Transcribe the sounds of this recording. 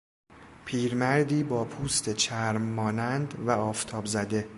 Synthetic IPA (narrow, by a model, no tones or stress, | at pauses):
pʰiːɾmæɾd̪iːbɒːpʰuːst̪ʰet͡ʃʰæɾmːɒːnænd̪væɒːft̪ʰɒːbzæd̪e̞